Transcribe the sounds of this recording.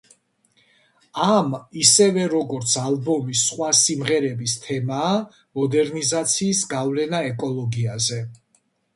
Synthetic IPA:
amisɛvɛɾɔɡɔɾt̪sʰalbɔmisːχwasimʁɛɾɛbist̪ʰɛmaː | mɔd̪ɛɾnizat̪sʰiːsɡavlɛnaɛkʼɔlˠɔɡiazɛ

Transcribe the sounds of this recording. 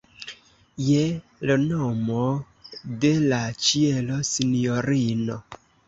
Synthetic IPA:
jelonomo | de̞lat͡ʃielo̞sinioɾino

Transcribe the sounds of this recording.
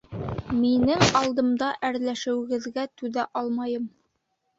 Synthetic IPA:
minɘŋɑlˠd̪ɤ̆md̪ɑʔæɾlæʃɘ̆wɘ̆ɡɘ̆ðɡæt̪ʉðæʔɑlˠmɑjɤm

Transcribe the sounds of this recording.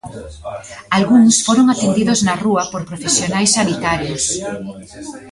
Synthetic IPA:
alɣuŋsfoɾoŋat̪end̪iðoznɐruɐpoɾpɾofesjonajsːaβit̪aɾjos

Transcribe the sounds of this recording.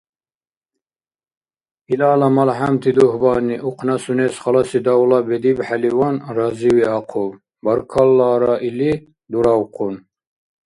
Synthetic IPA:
ilɑːlɑmɐlɦamt̪ʰid̪uɦbɑːniʔuqʰnɑsunesχɑlɑsid̪ɑwlɑbed̪ibħaliwɑnrɑziwiɑqʰob | bɐɾkʰɑlːɑːɾɑʔili | d̪uɾɑwqʰun

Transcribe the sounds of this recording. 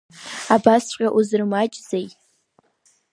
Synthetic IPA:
abasʷqʲʼaʔuzɨrmat͡ʃʼz̥ej

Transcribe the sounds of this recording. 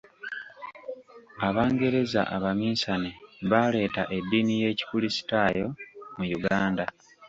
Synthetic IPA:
aβaːŋɡe̞ɾe̞za̰ʔaβamiːnsaneβale̞ːtaʔe̞dːinije̞ːci̥kulisi̥taːjo̞mujuɡaːnda

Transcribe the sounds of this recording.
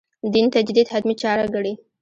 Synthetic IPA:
d̪int̪ad͡ʒd̪id̪had̪mit͡ʃɑɾaɡəɽi

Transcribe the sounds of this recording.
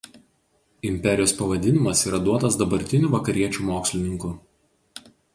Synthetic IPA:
ɪmʲpʲɛɾʲɪjoːspɐʋɐd̪ʲɪnʲɪmɐsiːɾɐd̪uɔt̪ɐsd̪ɐbɐɾʲt̪ʲɪnʲuːˑʋɐkɐɾʲiɛt͡ʃʲuːmoːksʲlʲɪnʲɪŋkʊ

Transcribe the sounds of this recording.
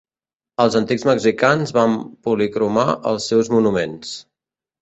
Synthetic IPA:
əlˠzənt̪iɡzməɡzikanzβampulikɾumaʔə̰lˠsːɛwzmunumens

